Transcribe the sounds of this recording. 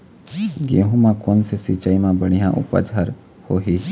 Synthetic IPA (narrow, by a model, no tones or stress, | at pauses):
ɡeːɦũmãkoːnsesiːt͡ʃaimãbəɽ̃ijãʔʊ̰pə̰d͡ʒəɾ | hoːɦi